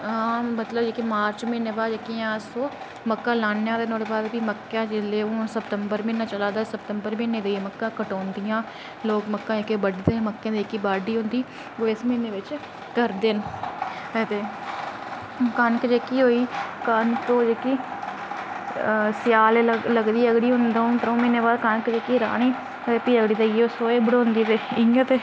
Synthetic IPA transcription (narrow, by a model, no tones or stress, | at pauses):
ɦãːmət̪ləbd͡ʒeːkimaːɾt͡ʃmẽːneːbaːd͡ʒekijãːsoː | məkːãːlãːnãːɾenoːɽebaːd̪b̪iːməkːãːd͡ʒɪleːoːsəpt̪əmbəɾmĩːnːaːt͡ʃəlaːd̪aːsəp̚t̪əmbəɾmĩneːd̪eːməkːãːkəʈoːnd̪ɪjãː | loːkməkːãːekeːbəɖd̪eːməkːẽːd̪iːkːiːbaːɖiːɦʊ̃ːnd̪iː | ʋoːɪsmeːneːʋɪt͡ʃ | kəɾd̪eːn | t̪eː | kənkəd͡ʒeːkiːɦoːiːkənt̪oːd͡ʒekiː | sɪjaːleləɡd̪iːəɡɽiːɦʊ̃nd̪õt̪ɾõːmiːnẽːbaːɾkənkəd͡ʒeːkiːɾa̰ːɳiː | eːpiːəɡɽiːd̪aioːsoːeːbəɽõːnd̪iːt̪eːɪə̃t̪eː